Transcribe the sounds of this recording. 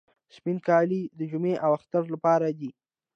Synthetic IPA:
spinkɑlid̪əd͡ʒumeʔawaxt̪aɾlapɑɾad̪i

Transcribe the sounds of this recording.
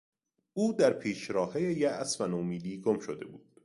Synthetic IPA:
uːd̪æɾpʰiːʃɾɒːhejejææsmænomiːliːɡomʃod̪e̞̰buːd̪̥

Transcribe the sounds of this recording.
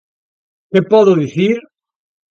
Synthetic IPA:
kepɔðʊðiθiɾ

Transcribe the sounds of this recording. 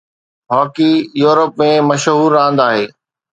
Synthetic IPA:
ɦɔːkijuːɾəp̚mẽmɐʃɦuːɾːãːn̆d̪aːɦeː

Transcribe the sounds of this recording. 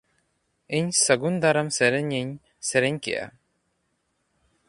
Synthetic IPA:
iɲsəɡund̪aɾɐmseɾeɲiɲ | seɾeɲkḛʔa̰

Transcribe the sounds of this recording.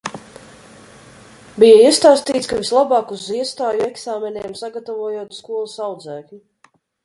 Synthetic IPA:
bijaiɛst̪aːst̪iːt̪skavislˠabaːkuziɛst̪aːjuɛksaːmenɛɛmsaɡat̪avuːjuːt̪skuɔlˠusawd̪zæːklʲi

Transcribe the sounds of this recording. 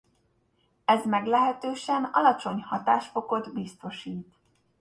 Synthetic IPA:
ɛzmɛɡlɛɦɛt̪øːʃɛnɒlɒt͡ʃo̞ɲhɒt̪aːʃfo̞ko̞d̪bist̪o̞ʃiːt̪

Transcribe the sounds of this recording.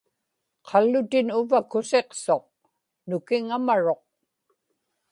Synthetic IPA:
qʰɑlːʊt̪ɪnʊvakʊse̞qso̞q̚ | nʊkɪŋamaɻo̞q̚

